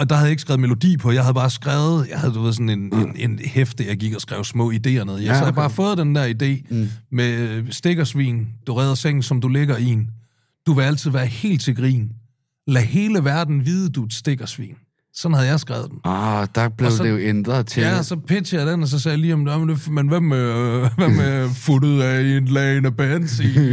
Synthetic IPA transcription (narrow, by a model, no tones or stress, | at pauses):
ɒ̽d̥ɑ̈hæð̩ˠje̝ɡ̥sɡ̥ʁæʊmelo̝d̥ḭːpʰɒ̽jɑ̈ɪhæð̞ˠbɑ̈ːsɡ̥ʁɛʊð̩ˠjɑ̈ɪhæðˠd̥uʋe̝ð̞̰ˠsɔ̽nenenenhefd̥əjɑ̈ɪɡ̥iɡ̥ɒsɡ̥ʁaʊsmɔ̰̽ːid̥e̝̰ːɐneðˠjaæbɑ̈ːfɔ̽ːð̩ˠd̥end̥æɐid̥e̝̰ːmesd̥e̝ɡ̥ɐsʋḭːnd̥uʁɛːðˠɐseŋ̰n̩sɒ̽md̥uleɡ̥ɐin | d̥uʋe̝æl̰t͡sʰið̞̩̰ˠʋæːɐhe̝̰ːld̥̚t͡sʰe̝ɡʁḭːn | læhe̝ːləʋæɐd̥n̩ʋiːð̞ˠəd̥ue̝d̥sd̥e̝ɡ̥ɐsʋḭːn | sɒ̽nhæð̞̩ˠjɑ̈ɪsɡ̥ʁaʊð̞̩ˠd̥end̥ɑb̥leʊɒdejoend̥ʁɐt͡sʰejæsɒ̽pʰe̝̥sʰiæd̥ænɒs̬ɒ̽sɛːjaliːɔmjomenmenʋæmæʋæmæfuɾð̩ˠæinlɛenæb̥ɛnsḭː